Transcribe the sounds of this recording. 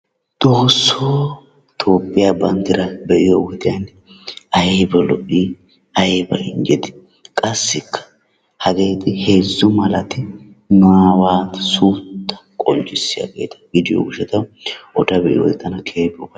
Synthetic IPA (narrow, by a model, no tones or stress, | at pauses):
d̪̥o̞ːsːoː | t̪ʰo̞ːpʼːɪjabɐnt̪ɪɾɐbɛʔɪjowɔt̪ɪjɐn | ɐjeːbɛlɔʔiː | ɐjeːbɐ̰ɪ̰ŋd͡ʒɛt̪ɪ̥ | kʼɐsːɪkːɐ̥ | hɐɡe̞ːt̪ɪhe̞ːzːʊmɐlɐt̪ɪ | nʊawaːt̪ɐsuːt̪ːɐ̥kʼɔnt͡ʃʼːɪsːɪja̰ɡe̞̰ːt̪ɐ̥ɡɪd̪ɪjo̰ɡʊʃɛt̪ɐwɔd̪ɐbɛʔɪ̰jo̰t̪ːɐnɐkʰe̞ːbɔbɐ